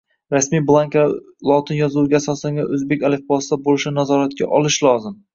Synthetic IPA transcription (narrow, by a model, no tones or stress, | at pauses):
ɾasmijblˠaŋka | lˠɒt̪ʰɪnjɒzuwɡʲaːsɒslaŋɡʲaʔɵzbe̞kʲalefbɒsɪd̪abolɪʃɪnazɒɾat̪̚kʲa̰ʔɒlˠɪʃlˠɒzɪm